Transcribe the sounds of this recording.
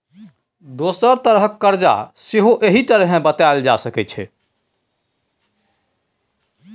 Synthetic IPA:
d̪osəɾt̪əɾɦəkːəɾd͡ʒa̰seɦoʔeɦiʈəɾɦẽbət̪aeld͡ʒa̰səkɛt͡ʃʰɛ̰

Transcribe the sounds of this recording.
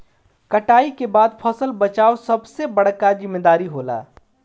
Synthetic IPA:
kəʈaːikebaːd̪pʰəsəlbət͡ʃaːosɐbsebəɽ̤kazɪmːeːd̪aːɾiɦoːla̰ː

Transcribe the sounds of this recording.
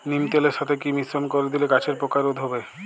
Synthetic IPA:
nimt̪eleɾʃat̪ʰekimisɾonkoɾed̪ilekat͡ɕʰeɾpɾokaɾod̪ʱɦobe

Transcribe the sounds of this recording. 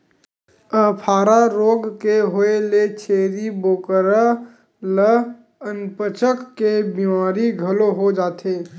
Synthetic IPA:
əpʰaːɾaɾoːɡkeɦoelet͡ʃʰeːɾiboːkəɾa | lə | ənpət͡ʃəkːebimaːɾiɡʱəloɦod͡ʒaːt̪eː

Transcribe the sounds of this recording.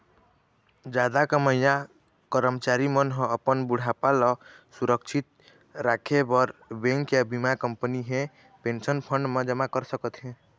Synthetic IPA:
d͡ʒad̪akəməjã | kəɾəmt͡ʃaɾimənɦə̃əpənbuɽ̤apalɔsuɾəkt͡ʃʰit̪̚ | ɾakʰebəɾbẽŋkjabʱimakəmpəniɦẽ | pensənpʰəɳɖmẽd͡ʒəmakəɾsəkət̪ɦẽ

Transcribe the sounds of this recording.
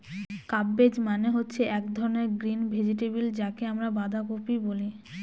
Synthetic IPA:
kabːed͡ʑmaneɦotːɕʰeʔɛkd̪ʱɔɾoneɾɡɾinbʱed͡ʑiʈebild͡ʑakeamɾabad̪ʱakoɾpiboli

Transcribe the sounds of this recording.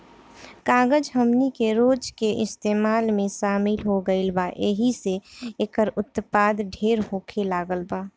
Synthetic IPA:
kãːɡəd͡ʒɦəmnikeɾoːd͡ʒkeʔɪst̪eːmaːlmẽʃaːmɪlɦoɡəɪlbaʔeːɦiseeːkəɾʊt̪paːd̪ɖʱeːɾɦoːkʰelaːɡəlbaː

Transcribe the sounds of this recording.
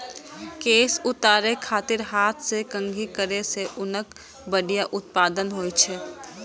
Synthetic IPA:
keːsʊt̪aːɾekʰaːt̪ɪɾɦaːt̪ʰsekə̃ŋɡʱikəɾeseʔʊnək | bəɽijaʔʊt̪̚paːd̪ənɦoːit͡ʃʰɛː

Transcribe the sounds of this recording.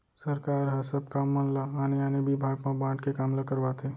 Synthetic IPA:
səɾkaːɾɦəsəb̚kamːanlaːneanebibʱaːɡmãbãːʈkekaːmləkəɾʋat̪ʰe

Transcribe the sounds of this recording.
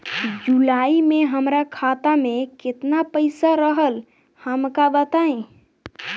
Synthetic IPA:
d͡ʒulaimeɦəmɾakʰat̪amekɪt̪napəɪsaɾəɦəl | həmkabət̪aẽ

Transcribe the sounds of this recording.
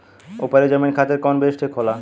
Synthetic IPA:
opaɾed͡ʑɔminkʰat̪eɾkɔnbeʃʈʰekʰɔla

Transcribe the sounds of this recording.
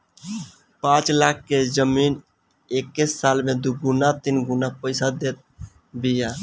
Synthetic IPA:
pãt͡ʃlakʰːed͡ʒəmin | ekːisːalmed̪uɡunat̪inɡunapəɪsad̪et̪̚ | bija

